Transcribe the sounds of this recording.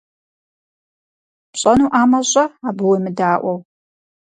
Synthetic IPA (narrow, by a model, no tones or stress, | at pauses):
pɕʼɐnuːʔaːmɐɕʼɐaːbɨwɐmɨdaːʔʷɔw